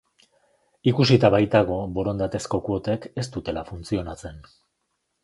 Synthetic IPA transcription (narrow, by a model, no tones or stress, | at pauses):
ikusit̪aβajt̪aɣ̞o̞bo̞ɾo̞nd̪at̪e̞sko̞kuo̞t̪e̞ke̞st̪ut̪e̞lafunt͡sio̞nat͡se̞n